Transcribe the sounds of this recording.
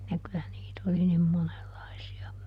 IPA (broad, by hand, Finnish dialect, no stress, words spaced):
jɑ kylæ niːt oli nim monelːɑisiɑ